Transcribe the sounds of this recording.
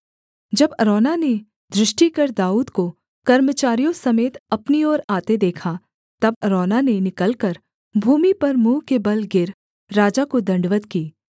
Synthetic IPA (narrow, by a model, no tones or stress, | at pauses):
d͡ʒɐbɐɾɔːnane | d̪ɾɪʃʈikɐɾd̪aːuːd̪ko | kɐɾmət͡ʃaːɾijõsɐmeːt̪ɐpniɔːɾaːt̪ed̪eːkʰa | t̪ɐbɐɾɔːnanenɪkəlkɐɾ | bʱuːmipɐɾmũːkebɐlɡɪɾ | ɾaːd͡ʒakod̪ɐ̃ɳɖʋət̪kiː